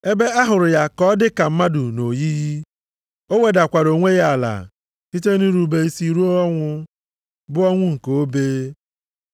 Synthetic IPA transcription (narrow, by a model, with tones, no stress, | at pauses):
e˦be˦a˦ɦʊ˨ɾʊ˨ja˦kɔ˦dɪ˦ka˨m̩˦ma˦dʊ˨no˨ji˦ji˦ | o˦we˨da˨kʷa˨ɾo˨ŋʷe˦ja˦a˨la̰˨ | ti˦te˦nu˦ɾu˨be˨i˦si˨ɾu˦ɔ˦ŋʷʊ˦ | bʊ˦ɔ˦ŋʷʊ˦ŋ̩˨ko˨o˦beː˦